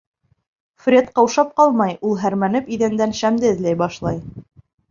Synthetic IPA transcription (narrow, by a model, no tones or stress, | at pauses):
frʲet̪qɑwʃɑp̚qɑlˠmɑjulˠɦæɾmænɘpiðænd̪ænʃæmd̪ɘɘ̆ðlæjbɑʃlˠɑj